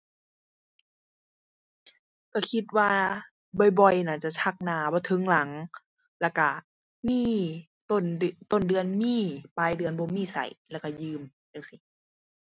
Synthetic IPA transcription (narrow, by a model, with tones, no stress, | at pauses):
ka˧˩kʰi˧t̪̚waː˧ | bɔ˧˩jbɔ˧˨jna˧˩t͡ɕa˧˩t͡ɕʰa˧˩k̚naː˧˦bɔː˧˦t̪ʰɤ˧˦ŋla˨˦ŋ | lɛː˧˩ka˧˩ | miː˧˥˨ | t̪o˧˨n˧t̪o˧˨ndɯ˧˨ənmiː˧˥˨paː˧˨jdɯ˧˨ənbɔː˧˦miː˧˥˨sa̰˨˩jlɛ˧˩˨ka˧˩jɯː˧˨m | ja˧˩ŋsi˧˦